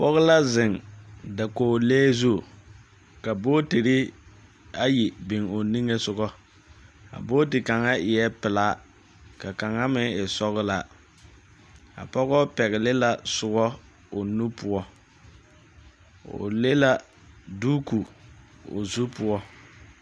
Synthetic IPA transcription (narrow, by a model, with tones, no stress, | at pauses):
pɔ˦ɣɪ˦la˦zɪ˨ŋda˨koː˨leː˦zu˦˨ | ka˨boː˦ti˨ɾɪ˦ | a˦ji˨bɪ˨ŋo˨ni˦ŋe˦sʊ˦ɡɔ˦ | a̰˨boː˦tɪ˨ka˨ŋa˦ɪ˨jɛ˦pɪ˨laː˦ | ka˨ka˨ŋa˦mɪ˦ɪ˨sɔ˦ɣɪ˦la˦˨ | a̰˨pɔ˦ɣɔ˦pɛ˨ɣɪ˨lɪ˦la˨sʊ˨ɡɔ˦ | o˨nu˦pʊ˦ɔ˦ | o̰˨le˦la˦ | duː˦ku˨ | o̰˨zu˦pʊ˦ɔ˦